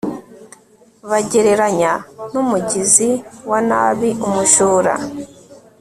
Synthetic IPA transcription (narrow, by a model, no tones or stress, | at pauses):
βaɟeɾeɾaɲanumuɟiziwana̰βiʔumuʃuːɾa̰